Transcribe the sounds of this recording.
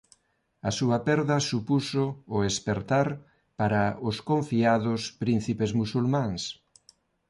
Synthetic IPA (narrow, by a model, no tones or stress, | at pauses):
ɐsuɐpɛɾðɐsupusʊːespeɾt̪aɾ | paɾɐʊskõɱfiaðʊspɾin̟θipezmusulmãŋs